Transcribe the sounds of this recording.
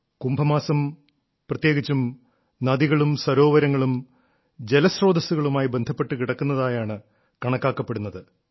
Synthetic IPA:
kumbʱɐmaːsɐm | prɐt̪jeːɣit͡ɕːum | nɐðiɣɐɭumswɐɾo̞ːʋɐɾɐŋːɐɭum | d͡ʑe̞lɐsro̞ːd̪ɐsuɣɐɭumaːjibe̞nd̪ʱɐpːe̞ʈːɨkiɽɐkːunːɐðaːjaːɳɨ | kɐɳɐkːaːkːɐpːe̞ɽunːɐðɨ

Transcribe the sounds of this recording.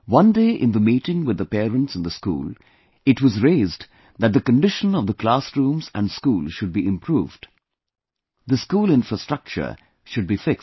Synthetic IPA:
wʌ̃ndeːʔɪ̰̃nd̪əmiʈɪ̃ŋwɨd̪əpɛːɾə̃nʈsɨ̃n̩d̪əskṵːl | ɨʈwʌzɹeːzd | ðɨt̚d̪əkə̃nɖɪʃə̃nʌvðəklasɾũːmzæ̰̃nskuːlʃʊd̚biʔɪ̃mpʰɾuːvɖ | ðəskuːlɪ̃nfɹəstɹ̥ʌk̚t͡ʃə̰˞ | ʃʊɖ̚bifɪks

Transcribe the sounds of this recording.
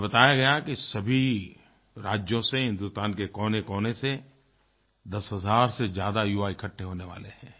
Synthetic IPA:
bɐt̪aːjaɡɐjakisɐbʱi | ɾaːd͡ʒjõseɦɪ̃nd̪ʊst̪aːnkekɔːnekɔːnese | d̪ɐsɦɐzaːɾsezjaːd̪ajuːaːikʰɐʈʰːeɦoːneʋa̰ːlehɛ̃ː

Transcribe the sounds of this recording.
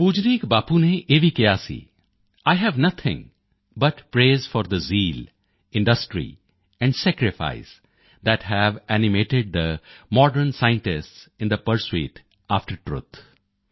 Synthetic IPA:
puːd͡ʒɾiːkbaːpuneʔeːʋikijasḭː | aːɪɦɛʋnʌt̪ʰɪ̰̃ŋ | bɐʈpɾeːzfɔːɾd̪əziːl | ɪ̃ɳɖəsʈɾḭ | ɛ̃ɳɖsɛkɾɪfa̰ɪs | d̪æʈɦɛʋæːnɪmeːʈɪɖ̚d̪əmɔːɖəɾnsaɪɪ̃ɳʈɪsʈsɪ̃nd̪əpəɾswḛːʈ | aːfʈəɾʈɾṵt̪ʰ

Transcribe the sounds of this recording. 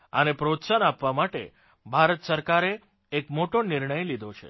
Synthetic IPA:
ənepɾot̪sənapʋamaʈḛ | bʱaɾət̪səɾkaɾeː | kmoʈonɪɾɳəjlid̪ʱot͡ʃʰḛ

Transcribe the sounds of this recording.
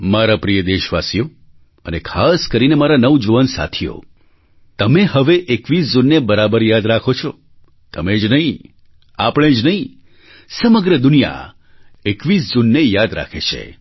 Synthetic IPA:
maɾapɾijəd̪eʃʋasijo | ənekʰaskəɾinemaɾanəʋd͡ʒuʋənsa̰t̪ʰijo̰ | t̪əmehəʋeʔekʋisd͡ʒunːebəɾabəɾjad̪ɾakʰot͡ʃʰɔ | t̪əmed͡ʒnəɦĩ | apɽ̃ed͡ʒnəɦĩ | səməɡɾəd̪ʊnija̰ | ekʋisd͡ʒunːejad̪ɾa̰kʰet͡ʃʰḛ

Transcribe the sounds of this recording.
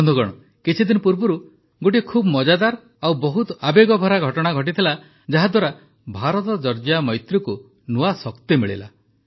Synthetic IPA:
nd̪ʱuɡɔɽ̃ɔ | kit͡ʃʰid̪inɔpuɾbɔɾu | ɡoʈ̬ikʰubmɔd͡ʒad̪aɾ | awbɔɦut̪ɔabeɡɔbʱɔɾaɡʱɔʈɔɽ̃aɡʱɔʈ̬it̪ʰila | d͡ʒaɦad̪waɾa | bʱaɾɔt̪ɔd͡ʒɔɾd͡ʒamɔjt̪ɾɔku | nuasɔkt̪emiɭḭla̰

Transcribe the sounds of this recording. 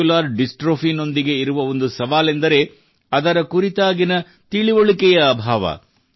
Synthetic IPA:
ulaːɾɖisʈɾoːfino̞nd̪iɡe̞iɾuʋɐo̞nd̪usɐʋaːlend̪ɐɾe̞ | ɐd̪ɐɾɐkuɾit̪aːɡinɐ | t̪iɭiʋoɭikɛjɐːbʱaːʋɐ̰

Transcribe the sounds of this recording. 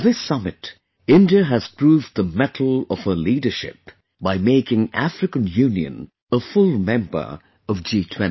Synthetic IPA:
ðɪsʌmɨt | ɪ̃ndiəɦɨz̥pʰɹ̥uːvd̪ðəmɛɾʰl̩ˠʌv̥həliːdə˞ʃɪ̰p̚ | b̥aɪmeɪkɪ̃ŋʔæ̰fɹɨkə̃njʉ̃niɨ̰̃n | əfʊlˠmɛ̃mbə̰˞ | ʌvd͡ʒiːtʰw̥ɛ̃n

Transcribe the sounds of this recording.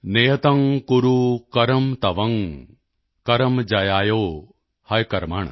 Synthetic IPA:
nejɐt̪ɐŋkuɾukɐɾɐmt̪ɐʋɐŋ | kɐɾɐmd͡ʒɐjaːjoː | hɐjkɐɾmaːɳ̃ɐ̰

